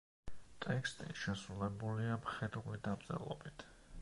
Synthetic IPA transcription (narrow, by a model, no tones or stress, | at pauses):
t̪ʼɛkst̪ʼiʃɛsɾulɛbuliapχɛd̪χlid̪ab̚t̪sʼɛ̰lˠɔ̰bit̪ʰ